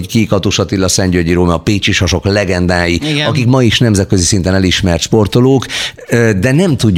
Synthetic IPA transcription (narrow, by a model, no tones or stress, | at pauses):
kikɒt̪uʃɒt̪ilːɒsɛɲɟøɟiɾoːmɒpeːt͡ʃiʃhɒʃo̞klɛɡɛnd̪aːjiɒkikmɒiʃnɛmzɛt̪̚køzisint̪ɛnɛliʃmɛrt̪ʃpo̞rt̪oloːkː | d̪ɛnɛmt̪uɟ